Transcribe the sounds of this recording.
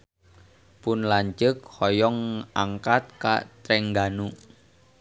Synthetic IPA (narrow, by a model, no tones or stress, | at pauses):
pʊnlaɲt͡ʃək̚hɔjɔŋaŋkat̪̚ka̰t̪ɾɛŋɡanu